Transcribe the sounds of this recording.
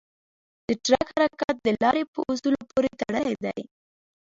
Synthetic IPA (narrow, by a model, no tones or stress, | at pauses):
d̪̥əʈɾakhaɾakat̪̚d̪əlɑɾepəʔusulopoɾet̪aɽəjd̪a̰j